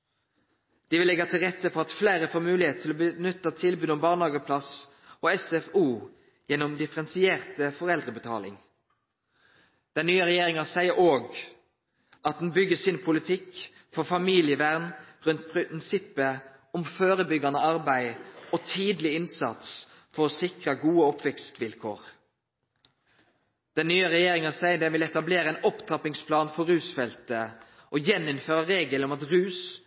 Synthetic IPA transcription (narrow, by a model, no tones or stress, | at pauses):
d̪̥iʋɪlɛɡɑt̪ʰɪlʁɛt̪ːəpʰɔɑt̪fleːʁəfoːʁmʉːlɪheːt̪t̪ʰɪlɔbənʉt̪ːɑt̪ʰɪlbʉːd̪ɔmbɑːʁnhɑːɡəpʰlɑs | oːɛsɛfuː | jɛnɔmd̪ɪfəʁɛnsɪeːʁt̪əfɔʁɛld̪ʁəbət̪ʰɑ̰ːlɪ̰ŋ | d̪̥ɛnnyːəʁɛjeːʁɪŋɑsæɪəɾʔoːɡ | ʔɑt̪̚d̪n̩bʏɡəsiːnpʰʊlɪt̪ʰɪk | fɔʁfɑmiːlɪəʋæʁnʁʉnt̪pʰɪnsɪpːə | ɔmføːɾəbʏɡɑnəɑʁbæɪɔt̪ʰiːd̪lɪɪnsɑ̰t̪sfɔɾɔsɪkʁɑɡuːəɔpʋɛkst̪ʋɪlkʰo̰ːʁ | d̪̥ɛnnːyːəʁɛjeːɾɪŋɑsæɪəd̪ɛnʋɪlɛt̪ɑbleːɾəɛːnɔpt̪ʰɑpɪŋspʰlɑːnfɔɾʉːsfɛlt̪ə | ʔɔjɛnːɪnføːɾəɾeːɡləɔmɑt̪ʁʉːs